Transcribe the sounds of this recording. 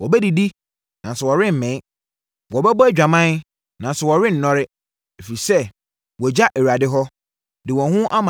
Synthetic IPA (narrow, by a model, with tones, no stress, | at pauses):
wɔ˨bɛ˦di˨di˦ | nã˨n˨sɛ˨wɔ˨ɾɪ̃˦m̩˨mɛ̃˨˦ | wɔ˨bɛ˦bɔ˦æ˦d͡ʑᶣa˨mã˦n˦ | nã˨n˨sɛ˨wɔ˨ɾɪ̃˦n̩˨nɔ̃˦ɾɪ˦ | e˨fi˨ɾi˨sɛ˦˨ | wɔ˨d͡ʑa˦ʔe˨u˨a˨dɪ˦ɦɔ˦ | dɪ˨wɔ̃˨hʊ̃˦ʔa˦mã˨